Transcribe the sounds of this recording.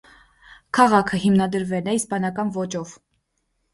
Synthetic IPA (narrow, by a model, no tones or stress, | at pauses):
kʰɑʁɑkʰəhimnɑd̪əɾvɛlɛispɑnɑkɑnvɔt͡ʃɔv̥